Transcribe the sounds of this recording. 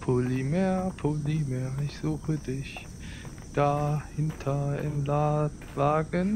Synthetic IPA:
pʰolimɛːɐpʰolimɛːɐɪçz̥uːxədɪç | d̥ahɪntʰɐɪ̰mlaːt | vaːɡən

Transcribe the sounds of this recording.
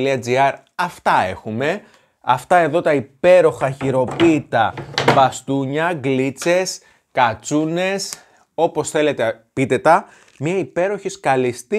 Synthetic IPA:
liɐd͡ziɐɾ | ɐft̪ɐe̞̰xume̞ | ɐft̪ɐe̞ðo̞t̪ɐipe̞ɾo̞xɐçiɾo̞pit̪ɐvɐst̪uɲɐɡlit͡se̞s | kɐt͡sune̞s | o̞po̞sθe̞le̞t̪epit̪e̞t̪ɐ | mɲɐipe̞ɾo̞çiskɐlist̪i

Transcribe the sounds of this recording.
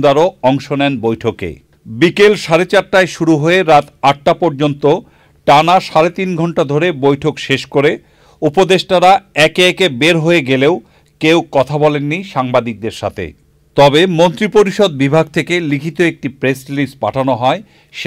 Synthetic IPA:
d̪aɾoɔŋʃonɛnbojʈʰokḛ | bikelʃaɾet͡ɕaɾʈaeʃuɾuɦoeɾat̪aʈ̚ːapɔɾd͡ʑont̪o | ʈanaʃaɾet̪inɡʱɔɳʈad̪ʱoɾebojʈʰokʃeʃkoɾe | upod̪eʃʈaɾaɛkeɛkebeɾɦoeɡelew | kewkɔt̪ʰabɔlenːiʃaŋbad̪ik̚d̪eɾʃa̰t̪ʰḛ | t̪ɔbemont̪ɾipoɾiʃod̪̚bibʱaɡ̚t̪ʰekelikʰit̪oek̚ʈipɾesɾilispa̰ʈʰanoɦɔe | ʃ

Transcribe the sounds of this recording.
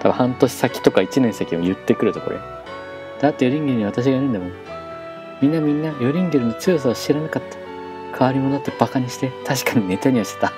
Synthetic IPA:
t̪ʰaba̰hãnt̪o̞ɕi̥sakʲi̥t̪o̞kait͡ɕinẽsakʲĩo̰jɯ̟t̪ːe̞kɯ̟ɾɯ̟t̪oko̞ɾo̰j | d̪̥ajat̪ːejo̞ɾʲĩŋɡʲiɾɯ̟ɲ̟iβ̞at̪aɕ̬iɡaiɾɯ̟nd̪amoːn | mʲĩnːamʲĩnːajo̞ɾʲĩŋɡʲeɾɯ̟ɲ̟it͡sɨjos̬aoɕiɾanakat̪ːḁ | kʰaβaɾʲimod̪at̪ːeb̥akaɲ̟iɕi̥t̪et̪ʰaɕ̬i̥kaɲ̟ine̞t̪aɲ̟iaɕi̥t̪e̥t̪a

